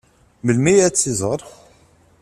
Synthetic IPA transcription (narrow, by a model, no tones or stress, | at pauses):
məlmijæt͡sːizˤəɾˤ